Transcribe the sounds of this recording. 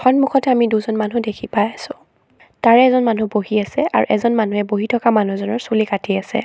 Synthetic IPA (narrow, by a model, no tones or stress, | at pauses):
xɔnmuxʰɔtɛamiduzɔnmanudekʰipajasʊ̃ | taɹɛːzɔnmanuboɦiasɛʔa̰ɹṵʔɛzɔnmanuɛboɦitʰɔkamanuzɔnɔɹsulikatʰiasɛ̰